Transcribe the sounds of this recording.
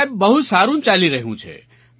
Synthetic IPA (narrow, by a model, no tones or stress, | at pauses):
ebːəɦut̪saːɾunt͡ʃaliɾəɦiũt͡ʃʰɛ̰